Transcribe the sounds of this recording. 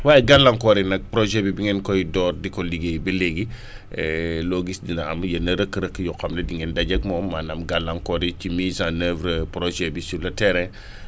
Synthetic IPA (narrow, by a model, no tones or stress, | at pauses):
waːjɛɡalːɐŋkɔɾinɐk̚pɾɔʒɛbibiŋɛnkɔjdɔːrdikɔliɡejbileɡi | ɛloɡisdinɐɐ̰mjɐnɐɾəkːɾəkːjɔkɐmlɛdiŋɛndɐɟɐk̚mɔːmːanɐmɡalːɐŋkɔɾicimiːzãnəvɾəpɾɔʒɛbisulɐtɛɾɛ